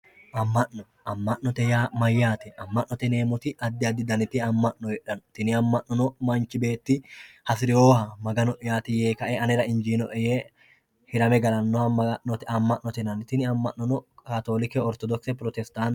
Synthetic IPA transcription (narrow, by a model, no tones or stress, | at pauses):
ʔɐmːɐʔnɔ | ɐmːɐʔnːɔt̪ɛjaːmɐjːaːt̪ɛɐmːɐʔnɔt̪ɛne̞ːmʊt̪ɪʔɐd̪ːɪɐd̪ːɪd̪ɐnɪt̪ːɪɐmːɐʔːɔjɛᶑɐnt̪ɪnɪɐmːɐʔnːɔnɔmɐnt͡ʃɪbe̞ːt̪ːɪhɐsɪɾɪjoːhɐmɐɡɐnɔʔɛjaːt̪ɪjeːkɐʔɛɐnɪɾɐɪnd͡ʒiːnɔ̰ʔɛje | hɪɾɐmɛɡɐlɐnːɔhɐmɐɐʔːɔt̪ɛɐmːɐʔnːɔt̪ɛnɐnɪt̪ɪnɪɐmːɐʔːɔnɔkaːt̪o̞ːlɪkɛɔɾt̪ɔd̪ɔksɛpɾɔt̪ɛst̪aːn